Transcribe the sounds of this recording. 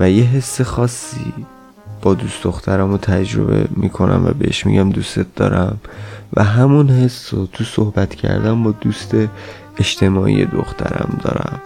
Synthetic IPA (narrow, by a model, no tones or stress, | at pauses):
væje̞ɦe̞sːexɒːsːiː | b̥ɒːd̪usd̪o̞xt̪ʰæɾæmot̪ʰæd͡ʒɾo̞̰be̞miːkʰo̞nʔæ̰mvæbehḛʃmḭɟæmd̪ust̪et̪̚d̪ɒːɾæmvæɦæmunhe̞sːot̪ʰusohbæt̪ʰcʰæ̰ɾd̪æmbɒːd̪uːst̪e̞ː | ʃt̪ʰe̞mɒːʔḭjed̪o̰xt̪ʰæɾæmd̪ɒ̰ːɾæm